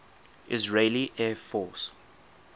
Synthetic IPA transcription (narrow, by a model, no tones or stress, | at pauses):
ʔɪzɹeɪliʔɛːfɔːˑs